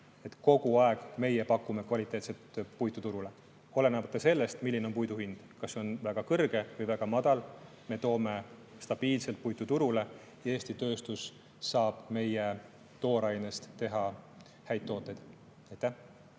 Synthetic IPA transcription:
e̞t̪ko̞ɡ̥uɑe̞ɡ̥me̞jepɑkːˑume̞kvɑlʲit̪ːˑe̞ːt̪set̪pujt̪ːˑut̪uɾule̞ | o̞le̞nɑbɑt̪ːˑɑse̞lːe̞st̪milːineompujd̪uhind̪̥kɑsːeo̞nvæɡ̥ɑkɤrɡ̥e̞vɤjvæɡ̥ɑmɑd̪̥ɑl | me̞t̪o̞ːme̞st̪ɑb̥iːlselt̪̚pujt̪ːˑut̪uɾule̞ | jɑe̞ːsʲt̪it̪ø̞ːst̪usː | ɑːb̥me̞je | t̪o̞ːɾɑjnest̪t̪e̞ɦɑ | hæjd̪̚t̪ːˑo̞ːt̪ːˑe̞jd̪̥ | ɑjt̪ːæh

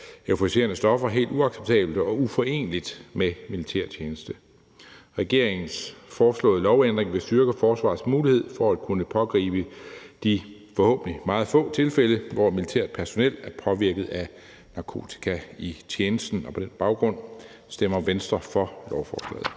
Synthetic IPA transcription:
eʊfoise̝̰ːɐnəsd̥ɒ̽fɐɦe̝̰ːld̥uɑ̈ɡ̥seb̥̚t͡sʰɛ̰ːb̥ld̥əɒ̽ufɒ̽e̝̰ːnlid̥memilit͡sʰæɐ̰t͡ɕʰjeːnəsd̥ə | ʁɛɡ̥e̝ɐ̰e̝ŋn̩sfɒːslɔ̰̽ːðˠəlɒʊend̥ʁeŋʋe̝sd̥yɐɡ̥əfɒːsʋɑ̰̈ːsmuːlihe̝ð̞̰ˠfɒ̽æd̥kʰunəpʰɒ̽ɡ̥ʁḭːb̥əd̥ifɒ̽hɔ̰̽ːb̥n̩limɑ̈ːð̩ˠfɔ̰̽ːt͡sʰe̝lfeləʋɒmilit͡sʰæ̰ɐd̥̚pʰæɐso̝nel̰æɐpʰɒ̽ʋiɐɡ̥ð̞̩ˠæ | nɑ̈kʰo̝̰ːt͡sʰi̥kʰæit͡ɕʰjeːnəsd̥n̩ɒ̽pʰɒ̽d̥enb̥ɑ̈ʊɡ̥ʁɔ̽n̰ | sd̥emɐʋensd̥ʁɐfɒ̽lɒʊfɒ̰ːsl̥ɛ̰ːð̩ˠ

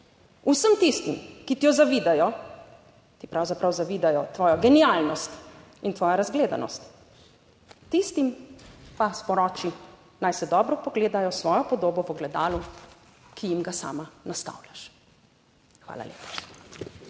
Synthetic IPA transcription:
usəmt̪ist̪imkit̪ijɔzaʋiːd̪ajɔ | t̪ipɾawzapɾawzaʋiːd̪ajɔt̪ʋɔːjɔɡɛnialnɔst̪ | int̪ʋɔːjaɾazɡleːd̪a̰nɔ̰st̪ | t̪ist̪impaspɔɾɔːt͡ʃi | najsɛd̪ɔːbɾɔpɔɡleːd̪ajɔsʋɔːjɔpɔd̪oːbɔʋɔɡlɛd̪aːlu | kʰijimɡasa̰ːmanast̪a̰wljaʃ | xʋa̰ːla̰lʲḛːpḁ

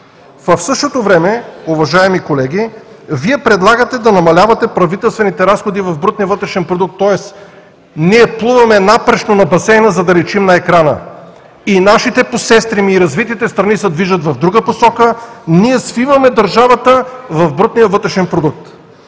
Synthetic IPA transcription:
vɐfsɤʃt̪ot̪ovɾɛmɛuvɐʒaɛmikolɛɡʲi | viɛpɾɛd̪lˠaɡət̪ɛd̪ɐnɐmɐlʲavɐt̪ɛpɾɐvit̪ɛlˠst̪vɛnit̪ɛɾasxod̪ivɐvbɾut̪nijəvɤt̪ɾɛʃɛnpɾod̪uk̚t̪ːɔɛs | niɛplˠuvɐmɛnapɾɛt͡ʃnonɐbɐsɛjnəzɐd̪ɐlɛt͡ʃimnɐɛkɾanə̰ | inaʃit̪ɛposɛst̪ɾimiːɾɐzvit̪it̪ɛst̪ɾɐnisɛd̪viʒət̪vɐvd̪ɾuɡəposɔkəniɛsfivɐmɛd̪ɐɾʒavɐt̪əvɐvbɾut̪nijəvɤt̪ɾɛʃɛnpɾod̪uk̚t̪

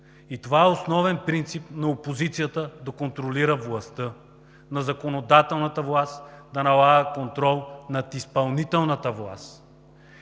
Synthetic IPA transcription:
it̪ovaɛosnɔvɛnpɾint̪sipnɐopozit̪sijət̪əd̪ɐkont̪ɾoliɾəvlˠɐst̪ɤ | nɐzɐkonod̪at̪ɛlˠnət̪əvlˠast̪d̪ɐnɐlˠaɡəkont̪ɾɔlˠnɐt̪ispɐlˠnit̪ɛlˠnət̪əvlˠa̰st̪

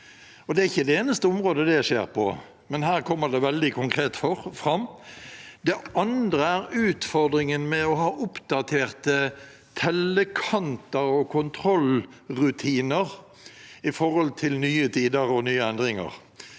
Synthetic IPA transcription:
ɔd̪ɛæɾɪçːəd̪ɛeːnəst̪əʊmʁoːd̪əd̪ɛʂḛːʁpʰɔ̰ | mɛnhæːʁkʰɔmːəd̪ɛʋɛld̪ɪkʰʊŋkʰʁeːt̪fɔfɾɑmː | d̪ɛɑnd̪ɾəæɾʉːt̪fɔʁd̪ɾɪŋənmɛɔɦɑːʔʊpd̪ɑt̪ʰeːʁt̪ə | t̪ʰɛləkʰɑnt̪əɾɔkʰʊnt̪ʰɾɔlʁʉt̪ʰiːnəʁ | ɪfɔɾhɔlt̪ʰɪlnyːət̪ʰiːd̪əɾɔnyːəɛnd̪ʁɪŋə̰ʁ

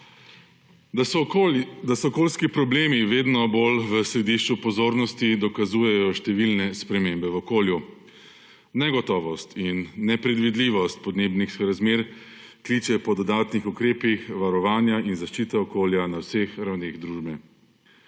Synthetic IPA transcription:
d̪asɔkoːlskipɾɔbleːmiʋeːd̪nɔbolʋəsɾɛd̪iʃt͡ʃupɔzoːɾnɔst̪id̪ɔkazuːjɛjɔʃt̪ɛʋilnɛspɾɛmembɛʋɔkoːlju | nɛɡɔt̪ɔːʋɔst̪ʰinːɛpɾɛd̪ʋid̪liːʋɔst̪̚pɔd̪neːbnixɾazmeːɾkliːt͡ʃɛpɔd̪ɔd̪aːt̪nixukɾeːpixʋaɾɔʋaːnjaʔinzaʃt͡ʃit̪ɛɔkoːljanawsexɾawneːɣd̪ɾuːʒbɛ

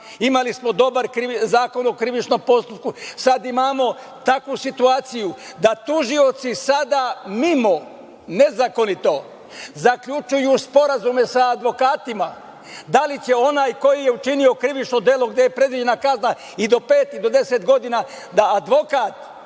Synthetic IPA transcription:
imalismo̞d̪o̞baɾkɾizaːkonokɾiʋit͡ʃno̞mpo̞st̪upkusad̪imaːmo̞ | t̪akʋusit̪uaːt̪sijud̪at̪uʒio̞t̪sisad̪amimo̞ | ne̞zako̞nit̪o̞ | zakʎut͡ʃujuspo̞ɾazume̞saːd̪ʋo̞kaːt̪ima | d̪alit͡ɕe̞o̞naːjko̞jije̞ut͡ʃinio̞kɾiʋit͡ʃno̞d̪jeːlˠo̞ɡd̪e̞jepɾe̞d̪ʋid͡ʑe̞nakazna | id̪o̞peːt̪id̪o̞d̪e̞set̪ɡo̞d̪ina | d̪aːd̪ʋo̞kat̪

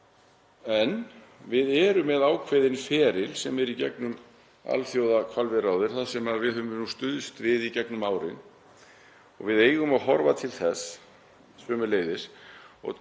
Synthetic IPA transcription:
ɛnvɪðɛɾʏmːɛðaːwkʰveːjðɪnfɛːɾɪlsɛmɛɾicɛknʏm | a̰lθjowðakʰvalvɪrawðʏɾ̥θaðsɛmavɪðhʏnust̪ʏðʏst̪vɪðicɛknʏmaːwɾɪ̰n | ɔ̰ɣvɪðeːjɣʏmaɦɔɾvat̪ʰɪlθɛs | sœːmʏleːjðɪsɔ̰ɣ

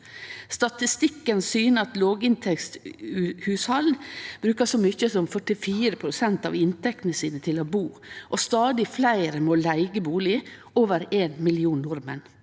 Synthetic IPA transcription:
st̪ɑt̪ɪst̪ɪkːənsyːnəɑt̪loːɡɪnt̪ʰɛkst̪ʉhʉːshɑlb̥ɾʉːkəsoːmʏçəsɔmfœʈɪfiːɾəpʰɾʊsɛnt̪ɑ̰ːʋɪnt̪ɛk̚t̪nəsiːnət̪ʰɪloːbuː | ʔɔst̪ɑːd̪ɪflæɪɾəmoːlæɪɡəbuːlɪ | oːʋəɾeːnmɪlɪuːnnʊɾmə̰n

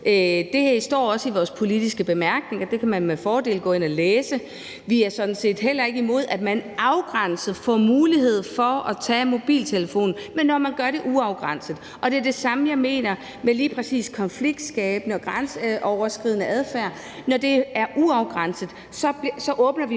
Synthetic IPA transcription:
ød̥e̝hæɐisd̥ɒ̰ːɒ̽səiʋɒːspʰo̝lid̥isɡ̥əb̥e̝mæɐɡ̥ne̝ŋɐd̥e̝kʰæmænmefɒːd̥e̝̰ːlɡ̥ɔ̰̽ːe̝nɒleːsə | ʋiæɐsɒ̽d̥n̩se̝̰ːd̥ɦel̰ɐe̝ɡ̥əimo̝ð̞̰ˠæd̥mænɑ̈ʊɡ̥ʁan̰sð̩ˠfɒ̰ːmuːliɦe̝ð̞̰ˠfɒɒt͡sʰɛ̰ːmo̝b̥ḭːlt͡sʰe̝ləfo̝̰ːn̩menːɒmænɡ̥ɶɐɾe̝ʔuɑ̈ʊɡ̥ʁɑn̰səð̩ˠ | ʔɒ̽d̥e̝æɐd̥e̝sɑ̈məjɑ̈ɪme̝̰ːnɐ | meliːpʰʁɛsḭːskʰɒ̽nfliɡ̥̚d̥sɡ̥ɛ̰ːb̥ənəɒɡ̥ʁansʔɒʊɐsɡ̥ʁið̞̰ˠnəʔæð̞ˠfæːɐ̰ | nɒd̥e̝æɐʔuɑ̈ʊɡ̥ʁɑn̰səð̩ˠ | sɒ̥̽sɒ̽ʔɔ̽ːb̥nɐʋi

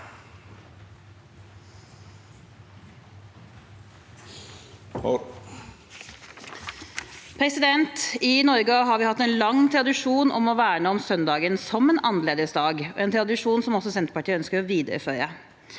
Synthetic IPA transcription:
pʰɾɛsɪd̪ɛnt̪ɪnɔɾɡəɦɑːɾʋɪːhɑt̪ːeːnlɑŋt̪ʰɾɑd̪ɪʂuːnʔɔ̰mɔʋæːɾəɳoɔmsœnd̪ɑːɡənsɔmeːnʔɑnəleːd̪əsd̪ɑːɡɔ̰ʔeːnt̪ʰɾɑd̪ɪʂuːnsɔmɔsɔsɛnt̪ə̥pɑʈʰiːəœnskəɾɔʋiːd̪əɾə̰fœʏə

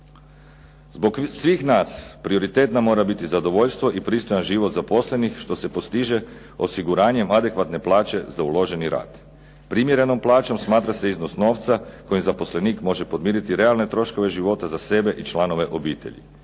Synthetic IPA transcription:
zbo̞ɡsʋiːxnaːspɾio̞ɾit̪eːt̪namo̞ːɾabit̪izad̪o̞ʋo̞ʎst̪ʋo̞ʔipɾiːst̪o̞janʒiʋot̪zapo̞sle̞nixʃt̪o̞se̞po̞st̪iʒe̞ | o̞siɡuɾaːɲe̞mad̪e̞kʋat̪ne̞plˠaːt͡ʃe̞zaulˠo̞ʒe̞niɾa̰ːt̪ | pɾimje̞ɾe̞no̞mplˠaːt͡ʃo̞msmaːt̪ɾase̞iznosno̞ːʋt̪sako̞jimzapo̞sle̞niːkmo̞ʒe̞pod̪miːɾit̪iɾe̞alne̞t̪ɾo̞ʃko̞ʋe̞ʒiʋo̞t̪azase̞be̞ʔit͡ʃlano̞ʋe̞ʔo̞biːt̪e̞̰ʎḭ

